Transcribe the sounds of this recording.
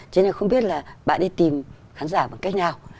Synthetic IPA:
t͡ɕe˧na˨˩xə˧wŋ͡mɓi˦˥ət̚laː˨˩ɓa̰ː˧˨nɗi˧t̪i˨˩m | xaː˨˦nzaː˧˩ɓaː˨˩nka˦˥jk̟̚ɲaː˨˩w

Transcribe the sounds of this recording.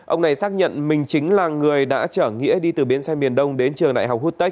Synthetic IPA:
ʔə˧wŋ͡mna˨˩jsaː˦˥k̚ɲə̰˧˨nmï˨˩ŋ̟t͡ɕï˨˦ŋ̟laː˨˩ŋɨ˨˩əjɗa̰ː˧˥t͡ɕəː˧˩ŋḭ˧˥əɗi˧t̪ɨː˨˩ɓi˨˦ənsa˧mi˨˩ənɗə˧wŋ͡mɗe˨˦nt͡ɕɨ˨˩əŋɗa̰ː˧˨jɦa˨˩k͡p̚hu˦˥t̚t̪ə˦˥k̚

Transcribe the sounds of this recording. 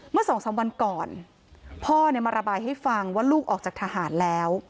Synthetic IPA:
mɯ˥˩ɐsɔː˩˦ŋsaː˩˦ŋwa˧nkɔː˨˩n | pʰɔː˥˩ni˥˩maː˧ɾa˧baː˧jha˥˩jfa˧ŋwaː˥˩luː˥˩k̚ʔɔː˨˩k̚t͡ɕaː˨˩t̪ʰa˧ɦaː˩˦nlɛː˦˥w

